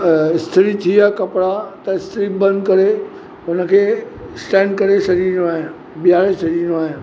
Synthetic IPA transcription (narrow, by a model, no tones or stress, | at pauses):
ɪst̪ʰɾit̪ʰiakɐpɽat̪ɐɪst̪ɪɾibɐ̃nd̪kɐɾe | ʊnəkʰeː | sʈɛ̃ːɳɖ̚kɐɾesɐɾinoaːɦɪn | bijaːɾesɐɾiiːnoaːɦɪn